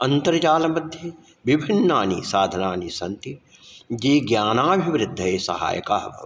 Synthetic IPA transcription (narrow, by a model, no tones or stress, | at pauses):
ɐnt̪ɐɾɐt͡ʃaːlɐmɐd̪ʱjɐ | ʋibʱinːaːnḭsaːd̪ʱɐnaːnisɐnt̪i | d͡ʒiːɡjaːnaːbʱiʋɾɪd̪ʱːɐeːsɐ̰ɦa̰ːjɐ̰kaːɐbɐ̰